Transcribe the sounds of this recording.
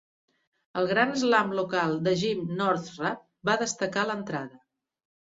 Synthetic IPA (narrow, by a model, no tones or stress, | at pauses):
əlˠɣɾanəzlamlukalˠd̪əʒimnɔɾt̪ra | baðəst̪əkalənt̪ɾaðə